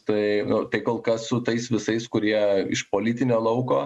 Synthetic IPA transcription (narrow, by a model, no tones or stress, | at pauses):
t̪ɐɪʊt̪ɐɪkoːlˠkɐssʊt̪ɐɪsʋʲɪsɐɪskʊɾʲiɛɪ̰ʃpoːlʲɪt̪ʲɪnʲoːlˠɐʊkoː